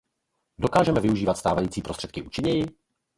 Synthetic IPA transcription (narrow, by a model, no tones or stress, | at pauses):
do̞kaːʒɛmɛvɪuʒiːvat̪st̪aːvajiːt͡siːpɾost̪r̥ɛt̪kɪʔuːt͡ʃɪɲɛjɪ